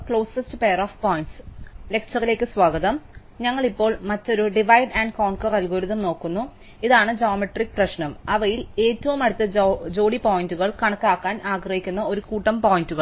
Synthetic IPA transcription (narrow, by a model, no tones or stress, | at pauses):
kɭo̞ːsɐstɨpe̞jɐroːfpoːjiɳʈsle̞k̚t͡ɕɐrile̞ːkːɨsʋaːɡɐðɐm | ɲɐŋːɐɭipːo̞ːɭmɐtːo̞ɾuɖiʋɐjɖaːɳɖkoːɳkɐrɐlɡoːɾuðɐmno̞ːkːunːu | iðaːɳɨd͡ʑoːmɐʈrikːprɐɕnɐmɐʋɐjile̞ːtːɐʋumɐɽut̪ːɐd͡ʑo̞ːɽipoːjinduɣɐɭkɐɳɐkːaːkːaːnaːɡrɐhikʲːunːɐo̞ɾukuːʈːɐmpo̞ːjinduɣɐɭ